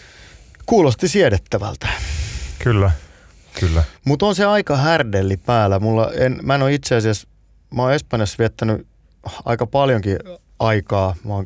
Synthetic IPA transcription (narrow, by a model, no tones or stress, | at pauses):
kuːlost̪isiɛɾet̪ːæʋæ̰lt̪æ̥kylːæ | kylːæmut̪onseɑikɑhærdelːipæːlæmulːɑ̰enmæenoit̪seɑsiæs | mæoespɑnjɑsʋiet̪ːæny | ɑ̰ikɑpɑljoŋki | ɑikɑːʋɑːŋ